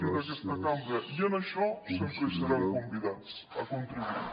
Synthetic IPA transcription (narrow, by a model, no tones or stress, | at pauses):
d̪ɐkest̪ɐkambɾɐʔiɐnɐʃɔsempɾeseɾakombiðaɐkõnt̪ɾiβuiɾ